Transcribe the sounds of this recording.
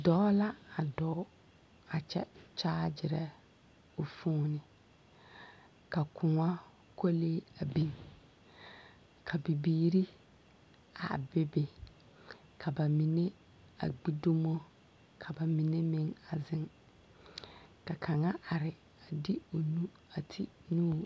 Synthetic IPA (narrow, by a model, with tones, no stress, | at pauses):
dɔː˦la˦a˨dɔː˨˦ | a˨t͡ʃɛ̰˦t͡ʃaː˦d͡ʒɪ˨ɾɛ˦ | o˨fu˦nɪ˨ | ka˨kʰʊ˨ŋa˦ | ko˦leː˦a˨bi˦ŋ | kʰa˨bi˨biː˦ɾi˦ | a̰˨bɪ˦be˨ | kʰa˨ba˨mi˨ne˦ | a̰˨ɡ͡bi˦do˦mo˦ | kʰa˨ba˨mi˨ne˦mɪ˦ŋa˨zɪ˦ŋ | ka˨kʰa˨ŋa˦ʔa˨ɾɪ˨ | a˨dɪ˦o˨nu˦ | a˨tʰɪ˦nuː˦